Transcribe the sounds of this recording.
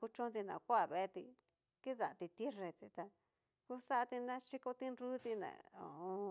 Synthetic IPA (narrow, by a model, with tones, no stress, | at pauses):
ku˧t͡ʃõ˦nd̪i˧nã̰˨kʷa˦˧˨βe˧t̪i˧ | ki˦ða˨t̪i˧t̪i˦re˧˨t̪i˧t̪a˧ | ku˦sa˦ʔt̪i˧nã˦ʃi˦ko˧t̪i˦nɾu˦t̪i˧nã̰˨o̰˨õ˧